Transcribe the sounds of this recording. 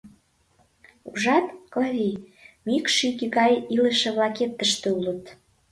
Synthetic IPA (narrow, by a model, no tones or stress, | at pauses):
uʒɑt̪koβʲimikʃikiɣɑjiləʃĕβlɑket̪ːəʃt̪ĕulə̆t̪